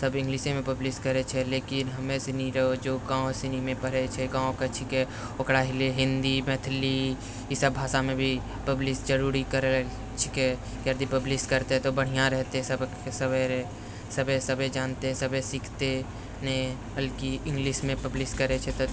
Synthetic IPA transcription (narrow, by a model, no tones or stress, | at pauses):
səbɪ̃ŋɡlɪʃemẽpəblɪskəɾet͡ʃʰɛleːkɪnɦəmẽsɪniɾəod͡ʒoːɡãːõsɪnimẽpəɾet͡ʃʰɛɡãːõket͡ʃʰikɛ | okɽaːɦileɦɪ̃nd̪imɛːt̪ʰɪli | isəbʱaːsamẽbʱi | pəblɪsd͡ʒəɾuːɾikəɾe | t͡ʃʰɪkɛ | kəɾd̪ipəblɪskəɾt̪eɦɛ̃t̪obəɽ̤ijãɾɛɦt̪eɦɛ̃səb | səbəɾ | səbesəbed͡ʒaːnt̪eɦɛ̃səbesikʰt̪e | ne | əlkiɪ̃ŋɡlɪʃmẽpəblɪskəɾet͡ʃʰɛt̪o